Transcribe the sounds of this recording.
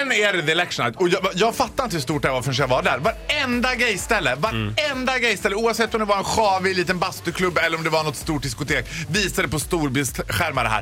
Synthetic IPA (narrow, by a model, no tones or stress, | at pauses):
nɛɾðɛlɛkʂna̰t̪ɔjɑjɑːɡfat̪ːaɾɪnt̪əhʉʂst̪uːʈ̚ɖæɾvaɾfœnʂ̬ɛvaɖæɾvaɾɛnd̪aɡɾɛjst̪ɛlːəvaɾɛnd̪aɡɾɛjst̪ɛlːəuːavsɛt̪ːɔmd̪ɛvaɾɛnɧɑːvɪliːt̪ənbast̪ɵkʰlɵbːɛlːəɾɔmd̪ɛvanɔt̪st̪uːʈ̚d̪ɪskʊt̪ʰeːkviːsad̪ɛpɔst̪uːɾbɪst̪ɧæɾmad̪əɦæ̰ːɾ